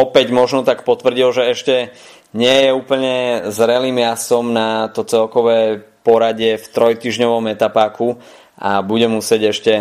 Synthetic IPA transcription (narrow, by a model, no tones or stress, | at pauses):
ɔpɛɟmɔʒnɔt̪akpɔt̪ʋr̩ɟilʒɛɛʃcɛ | ɲɪɛjɛuːpl̩ɲɛzɾɛliːmjasɔmnat̪ɔt͡sɛlkɔʋɛːpɔɾaɟɪɛft̪ɾɔjt̪iːʒɲɔʋɔmɛt̪apaːku | a̰buɟɛmusɪɛɟɛʃcɛ